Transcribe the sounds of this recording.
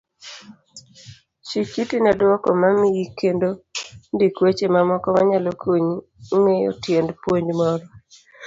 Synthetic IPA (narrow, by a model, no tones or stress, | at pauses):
t͡ʃikitinadwɔkɔmamijikendondikwet͡ʃemamɔkɔmaɲalokʰoɲ | ŋejɔ̰tjendpwoɲmɔɾɔ